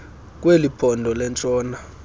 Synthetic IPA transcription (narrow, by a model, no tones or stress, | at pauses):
k̬ʼwelipʰɔndʱɔlɛnt͡sʼɔːna